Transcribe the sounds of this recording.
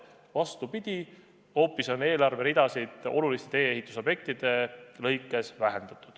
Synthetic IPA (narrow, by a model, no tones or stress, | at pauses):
vɑst̪upid̪̥ʲi | o̞ːpːˑiso̞ne̞ːlɑrve̞ɾid̪̥ɑsid̪o̞̰lulist̪e̞t̪e̞ːeɦit̪ːˑuso̞b̥je̞k̚t̪id̪̥e̞lɤ̞jkːˑe̞svæɦe̞nd̪̥ɑt̪ːˑud̪̥